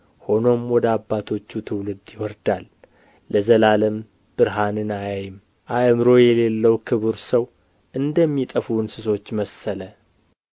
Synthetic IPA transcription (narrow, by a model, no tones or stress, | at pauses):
ho̞no̞mwɔd̪əabːat̪ʰo̞t͡ʃːut̪ʰɨwlɨd̪jɪwɔɾd̪alː | əzəlaləm | b̥ɨɾɦanɨnajajɪm | ʔaʔmɾo̞jɛle̞lːəwkʰɨβɨɾsəw | ʔɨnd̪əmːit̪ʼəfunsɨso̞t͡ʃːməsələ